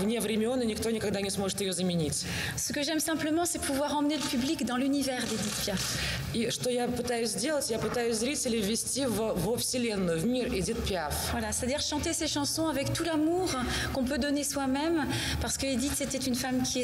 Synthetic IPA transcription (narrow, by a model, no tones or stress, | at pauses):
vnʲevɾʲɪmʲɪɔnɨnʲɪk̚t̪onʲɪkaɡ̚d̪anʲɪsmoʐɨt̪jɪjozəmʲɪnʲitʲ | sə̥kəʒɛmsɛ̃pləmɑ̃sɛpʰuvwaʁɑ̃mneləpyblikd̪ɑ̃lynivɛʁd̪ed̪it̪pjaf | iʂt̪ojapɨt̪ajʊsʲzdʲelˠətʲjapɨt̪ajʊsʲzɾʲitʲɪlʲɪvʲɪsʲtʲivvɔfsʲilʲenːʊvmʲired̪ʲit̪̚pʲjafvwalasɛ̥t̪ad̪iʁʃɑ̃t̪eseʃɑ̃sɔ̃avɛkt̪ulamuʁ | kɔ̃p̬ød̪ɔneswamɛm | paʁsə̥kəed̪it̪sɛt̪ɛt̪ynfamkʲʰi